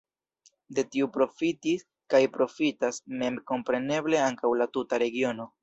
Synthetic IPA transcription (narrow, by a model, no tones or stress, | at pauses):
de̞tiupɾo̞fitis | kajpɾo̞fitasme̞mko̞mpɾe̞ne̞ble̞aŋkawlatutaɾe̞ɡio̞no̞